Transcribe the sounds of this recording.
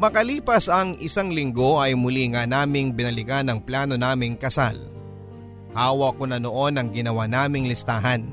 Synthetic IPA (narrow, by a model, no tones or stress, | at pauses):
mɐkɐliːpɐsɐŋɪsaŋlɪŋɡo̞ʔɐjmʊliŋɐnaːmɪŋbɪnɐlɪɡanɐŋplaːno̞naːmɪŋkɐsa̰l | haːwɐkonɐnoʔo̞nɐŋɡɪnɐwanaːmɪŋlɪst̪aːɦɐn